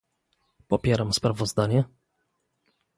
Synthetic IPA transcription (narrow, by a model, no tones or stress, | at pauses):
pɔpʲjɛɾamspɾavɔzd̪aɲɛ